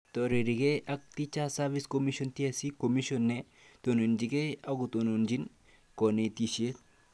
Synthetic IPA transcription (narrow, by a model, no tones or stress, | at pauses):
t̪ɔɾeɾiɡeʔɐk̚t̪it͡ʃasaʋiskomiʃɔnt̪iasikomiʃɔnːe | t̪onond͡ʒikeɐɡut̪onond͡ʒin | kɔnet̪iʃie